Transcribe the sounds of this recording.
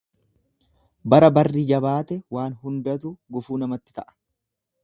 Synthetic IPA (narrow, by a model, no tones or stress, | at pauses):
bɐɾɐbɐrːiːd͡ʒɐbaːt̪ɛwaːnɦʊnd̪ɐt̪ʊɡʊfuːnɐmɐt̪ːɪ̥t̪ɐʔɐ̥